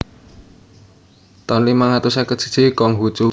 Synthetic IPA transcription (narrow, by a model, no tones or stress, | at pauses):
t̪ɔnlimaŋat̪usakə̥t͡ʃə̤̥t͡ʃikɔŋɦut͡ʃu